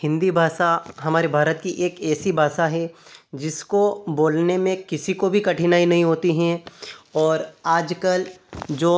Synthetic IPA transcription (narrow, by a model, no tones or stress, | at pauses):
hɪ̃nd̪ibʱaːʃaɦɐmaːɾebʱaːɾət̪kiʔeːkɛːsibʱaːʃaɦɛd͡ʒɪskoboːlnemẽkɪsikobʱikɐʈʰinaːinɐɦĩɦoːt̪iɦɛ̃ɔːɾaːd͡ʒkəld͡ʒoː